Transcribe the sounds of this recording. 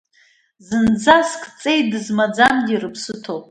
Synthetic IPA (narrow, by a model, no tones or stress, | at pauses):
zɨnd͡zaskʰʼt͡sʼe̞j̚dɨzmad͡zamɡʲirɨpʰsɨtʰowpʼ